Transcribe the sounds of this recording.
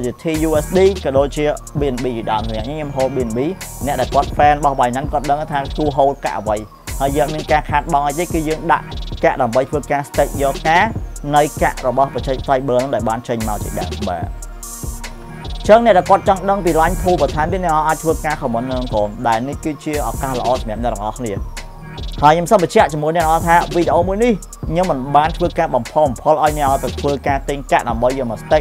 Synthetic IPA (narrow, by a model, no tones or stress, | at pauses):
t͡ɕiət̪ʰiːjuːʔɛsɗiːkɔɗoːc̚t͡ɕiəɓiənɓiːʋiɗaəmsʰɛ̰ʔɲiŋɲomɦoːt̪̚ɓiənɓiːnɛ̆əʔɗaɛlkŏət̪̚ʰfɛːnɓɑhɓajnaŋkoət̪̚ɗəŋʔət̪ʰaːkuəɦoːt̪̚ka̰ʔəʋəj | haːəjəːŋɔt̪miənkaːkʰaːt̪̚ɓɑŋʔaj̚t̪eːkɨːjəːŋɗa̰ʔkaʔɗaəmɓəjt̪ʰʋəːkaːst̪eːc̪̚jɑːkaːnɨwka̰ʔrɔɓɑhpət͡ɕək̚t̪ajɓəːlnɨŋɗaɛlɓaːnt͡ɕəɲmaɔlt͡ɕ̪ḭəɗaəmɓa̰ː | t͡ɕəːŋnɛ̆ʔɗaɛlkŏət̪̚t͡ɕɑŋɗəŋpiːlaɲt̪ʰuːlpɑt̪ʰaɛmt̪inɛəʔaʔaːc̚t̪ʰʋəːkaːkʰɔmənːɨŋkoːnɗaɛlnihkɨːt͡ɕiəʔɑkaːhlə̆ʔɑːsɑmɛ̆əp̚nɛ̆ət̪ɑŋʔɑhkʰniə | haəjɲomsəmɓət͡ɕɛ̆əʔt͡ɕɑmuənɛ̆ʔlə̆ʔɑːt̪ʰaːʋiːɗeʔoːmuəjnih | ɲoːmːɨnɓaːnt̪ʰʋəːkaːɓɑmpʰompʰolʔaɔjnɛ̆əʔaːt̪at̪ʰʋəːkaːt̪iːŋkaʔɗaəmɓəjəːmɔst̪ec̚